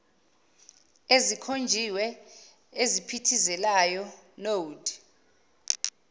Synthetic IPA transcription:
ezikʰond͡ʒʱiwɛ | ezipʰitʰizɛlajɔnodʱʼ

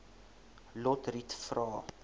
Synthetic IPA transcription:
lɔtritfrɑː

